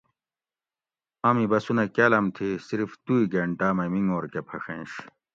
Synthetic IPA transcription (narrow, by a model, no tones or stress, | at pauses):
ɐmibɐsunɐkeːlɐmt̪ʰisiɾft̪uiɡɐɳʈaːmɐmiŋoːɾkepʰɐʂẽnɕ